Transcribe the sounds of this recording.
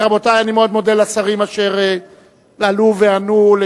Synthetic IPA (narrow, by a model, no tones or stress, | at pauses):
ʁabo̞tajanimeo̞d̪mo̞de̞lat͡saʁimaʃe̞ʁe | laluveanule